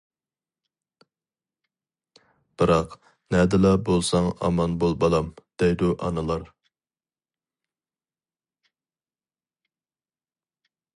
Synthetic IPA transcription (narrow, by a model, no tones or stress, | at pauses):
b̥ɨɾɑq | nɛd̪ɪlɛbolˠsɑŋɑ̰mɑnbolˠbɑlˠɑmd̪̥ɛjd̪uʔɑ̰nɨlˠɑɾ